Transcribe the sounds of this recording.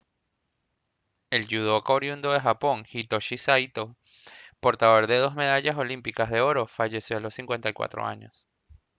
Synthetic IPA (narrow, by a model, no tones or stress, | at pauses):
e̞lʝuð̞o̞koɾjund̪oðexapo̞ŋxit̪oʃisajt̪o̞ | po̞ɾt̪aðo̞ɾðe̞ð̞o̞zme̞ðaʝaso̞limpikazðe̞o̞ɾo̞faʝe̞sjo̞alo̞siŋkwe̞nt̪ajkwa̰t̪ɾo̰a̰ɲo̞̰s